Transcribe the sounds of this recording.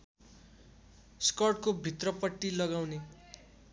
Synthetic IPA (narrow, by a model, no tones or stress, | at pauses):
skʌrʈkobʱit̪rʌpʌʈːilʌɡawne